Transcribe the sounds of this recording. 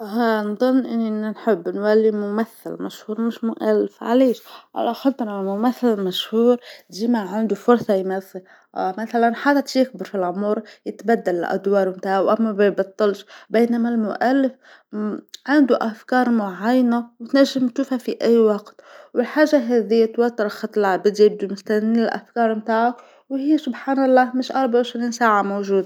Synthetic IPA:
ɦanðˤʊnːʔɪnːinnħɪbːnwalːimʊmaθːɪ̰lma̰ʃhuːɾˤmɪʃmʊʔalːɪfʕa̰leːʃʕa̰laxɑd̪ɾamʊmaθːɪlmaʃhuːɾd̪imaʕɪnd̪ufʊɾsˤɑjmaθːɪl | ʔmaθalanħad̪ajɪk̚bɪɾˤfilʕʊmuːɾjɪt̪bad̪ːalɪlʔa̰d̪wɑːɾˤwɪnt̪aːhawʔamːabebɨt̪ˤːɑlʒbeːnamalmʊʔalːɪf | ʕɪnd̪uʔafkɑːɾˤmʊʕajːanawt̪naʒːɪmt̪ʃuːfhafiʔajːwɑɡt̪wɪlħaːʒːaɦeːðijːat̪wat̪ːɑɾˤxɑt̪ˤːɪlʕabɪd̪jɪb̚d̪umʊst̪aɪlʔa̰fkɑːɾˤmt̪aːʕa | whiːsʊbħaːnɑlˤːɑːmɪʃʔɑɾˤbaʕɪʃɾiːnsaːʕamowʒuːd̪a

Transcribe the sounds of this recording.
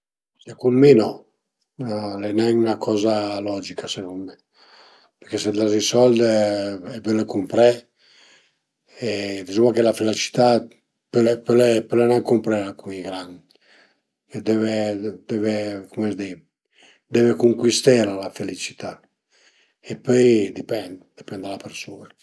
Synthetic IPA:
sekunmenɔ | lɛnɛŋunakʰɔzalɔd͡ʒikʰasekunmɛ | peɾkesed̪lazisɔld̪ɛbølekumpɾɛ | ed̪izumakelafelat͡ʃi̥t̪a | pølepølepølenɛŋkumpɾɛɾakʰuŋiɡɾan | ked̪ɛved̪ɛvekumɛzd̪i | d̪ɛvekuŋkwist̪ɛɾalafelit͡ʃi̥t̪a | epøjd̪ipɛnd̪d̪ipɛnd̪alapeɾsuːna

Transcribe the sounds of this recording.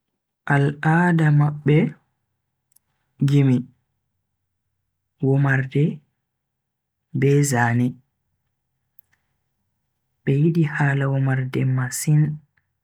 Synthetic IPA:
ʔalaːdamaɓːɛ | d͡ʒimi | wɔmaɾdɛ | bɛzaːnɛ | ɓɛjiɗihaːlawɔmaɾdɛmasin

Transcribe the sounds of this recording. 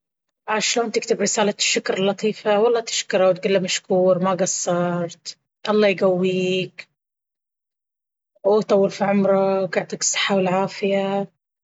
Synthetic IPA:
ʕaʃloːnt̪ɪk̚t̪ɪbɾɪsaːlaʃːakɾlːɑt̪ˤiːfawɑlˤːɑːt̪ɪ̥ʃkɑɾˤawt̪̚ɡulːamaʃkuːɾmaɡasːɑɾˤt̪ | ʔɑlˤːɑːjɡawːiːk | wt̪ˤɑwːɑlfiʕʊmɾˤawɡaʕt̪ˤiksˤːɑ̥ħawɪlʕaːfɪja

